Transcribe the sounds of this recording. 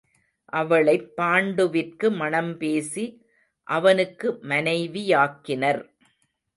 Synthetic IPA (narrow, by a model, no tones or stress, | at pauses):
ʔɐʋɐɭɐɪpːaːɳɖɯʋɪrkɯmɐɳɐmpeːsi | ʔɐʋɐnɯkːɯmɐnɐɪʋijaːkːɪnɐɾ